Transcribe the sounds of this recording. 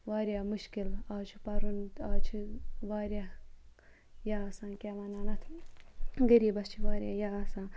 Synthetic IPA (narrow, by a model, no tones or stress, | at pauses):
ʋaːɾʲjaːmuʃkilaːt͡ʃʰi̥pɐɾunt̪aːt͡ʃʰiʋaːɾja | jaasãːkʲaːmɐnaːnɐt̪ʰ | ɡɐɾiːbɐst͡ʃʰiʋaːɾʲjaːjaːsãː